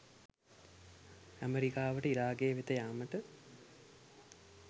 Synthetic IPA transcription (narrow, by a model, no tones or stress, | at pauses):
æmeɾikaːʋəʈəiɾaːɡeːʋet̪əjaːməʈə